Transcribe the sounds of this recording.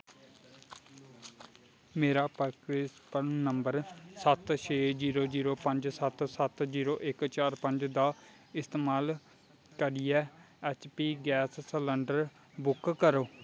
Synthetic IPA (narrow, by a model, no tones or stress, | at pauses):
meːɾaːpəɾkɾeːspəɾnəmbəɾsət̪ʃʰeːd͡ʒiːɾoːziːɾoːpəɲd͡ʒsət̪sət̪d͡ʒiːɾoːʔɪkt͡ʃaːɾpəɲd͡ʒd̪aː | ɪst̪eːmaːl | kəɾɪjɛː | ɛːt͡ʃpiːɡɛːssələɳɖəɾ | bʊkkəɾoː